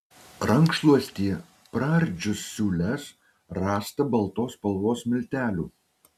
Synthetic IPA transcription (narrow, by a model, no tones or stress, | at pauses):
ɾɐŋkʃlˠuɔsʲt̪ʲiɛ | pɾɑɾʲd͡ʒʲʊsːʲuːlʲɛs | ɾɑːst̪ɐbɐlˠt̪oːspɐlˠʋoːsmʲɪlʲt̪ʲæːlʲuː